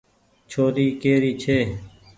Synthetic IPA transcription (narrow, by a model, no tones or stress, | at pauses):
t͡ʃʰoːɾiːkeːɾiːt͡ʃʰeː